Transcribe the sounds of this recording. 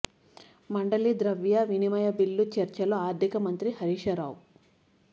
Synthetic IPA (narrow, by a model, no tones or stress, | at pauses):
mɐɳɖɐlid̪ɾɐʋjaʋinimɐjɐbilːut͡ʃɐɾt͡ʃɐloaːɾd̪ʱikɐmɐnt̪ɾihɐɾiːʃɐɾaːw